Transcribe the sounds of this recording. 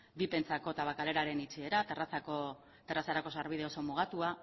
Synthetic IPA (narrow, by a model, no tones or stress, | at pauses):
bipe̞nt͡sako̞t̪aβakale̞ɾaɾe̞nit͡ʃie̞ɾat̪erasako | t̪erasaɾako̞saɾβ̞ið̞e̞o̞so̞muɣ̞at̪ua